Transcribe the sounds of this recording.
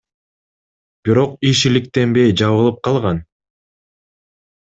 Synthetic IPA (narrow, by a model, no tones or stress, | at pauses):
b̥iɾo̞qiʃilik̚t̪e̞mbe̞jd͡ʒɑβɯlˠɯp̚qʰɑlˠʁɑn